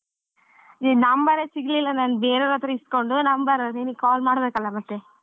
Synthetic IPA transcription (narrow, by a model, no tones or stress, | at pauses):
ninɐmbɐɾesiɡlilːɐnaːnbeːɾeːɾɐt̪ɾɐiskoɳɖunɐmbɐɾeniːnikaːlmaːɽbeːkɐlːɐmɐʈe